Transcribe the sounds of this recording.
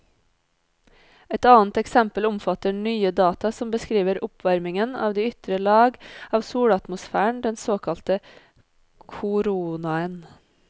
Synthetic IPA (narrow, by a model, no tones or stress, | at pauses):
ɛt̪ɑːnt̪ɛksɛmpəlʊmfɑt̪əɳyːəd̪ɑːt̪ɑsɔmbəskɾiːʋəɾʊpʰʋɑɾmɪŋənɑːʋd̪iːʏt̪ɾəlɑːɡɑːʋsuːɽɑt̪mʊsfæːɳd̪ɛnsoːkʰɑlt̪ə | kʰʊɾuːnɑən